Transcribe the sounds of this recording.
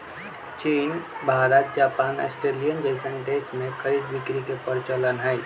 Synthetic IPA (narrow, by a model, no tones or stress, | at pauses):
t͡ʃiːnbʱaːɾət̪̚d͡ʒaːpaːnḛsʈɾeːlijənd͡ʒəɪsənʈ̪eːsmẽxʰəɾiːd̪bɪkɾikepəɾɪt͡ʃələnɦɛː